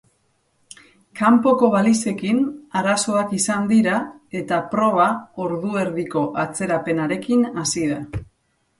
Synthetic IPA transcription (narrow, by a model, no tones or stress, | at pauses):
kampo̞ko̞βalise̞kinaɾaso̞akisand̪iɾae̞t̪apɾo̞β̞ao̞ɾðue̞ɾðiko̞ʔat͡se̞ɾape̞naɾe̞kinasiða